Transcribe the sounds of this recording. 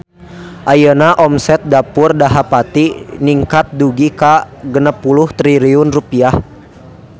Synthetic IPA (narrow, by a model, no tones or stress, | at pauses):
ʔajənaʔɔmsɛt̪̚dapʊrdaɦapat̪iniŋkat̪̚duɡikaɡənəpːulʊht̪ɾiɾiʊnrupiah